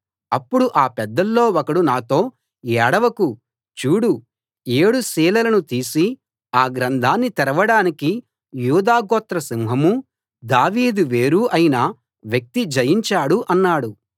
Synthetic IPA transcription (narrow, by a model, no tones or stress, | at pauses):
ɐpːuɽuʔaːpɛd̪ːɐlːo̞ːɔkɐɽunaːt̪o̞ː | jɛːɽɐʋɐku | t͡ʃuːɽu | e̞ːɽusiːlɐlɐnut̪iːsi | aːɡɾɐnd̪ʱaːnːit̪ɛɾɐʋɐɽaːniki | juːd̪aːɡɔːt̪ɾɐsimɦɐmu | d̪aːʋiːd̪uʋe̞ːɾuːʔɐjinɐ | ʋjɐk̚t̪id͡ʒɐjiɲt͡ʃaːɽuʔɐnːaːɽu